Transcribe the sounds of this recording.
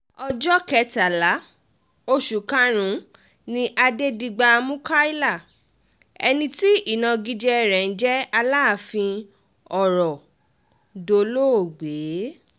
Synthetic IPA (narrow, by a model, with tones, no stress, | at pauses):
ɔ˧d͡ʒɔ˦kɛ˦˧ta˨la˨˦ | o˦ʃu˨kã˦ɾ̃ũ˨˦ | nĩ˧ʔa˧de˦di˧ɡ͡ba˧mũ˦ka˦i˦la˦˨ | ɛ̰˧nĩ˧ti˦i˦˨nã˧ɡi˧d͡ʒɛ˦˧˨ɾɛ˨n̩˦d͡ʒɛ˦a˧laː˦˨fĩ˧ | ɔ˨ɾɔ˨ | do˧˦lo˦o˨ɡ͡beː˨˦